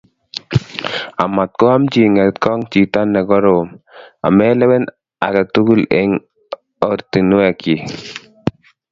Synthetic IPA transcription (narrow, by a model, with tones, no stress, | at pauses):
a˨ma˨t̪̚kɔ˦a˦mt͡ʃi˨ŋɛ˨t̪kɔ˦ŋt͡ʃi˨t̪a˦nːɛ˨ɡɔ˦ɾo˨ma̰˨mɛ˦lɛ˦wɛ˦n | a̰˨kɛ˨tu˦ɡu˦lḛ˦ŋ | ɔ˦ɾt̪i˨nwɛ˨ki˨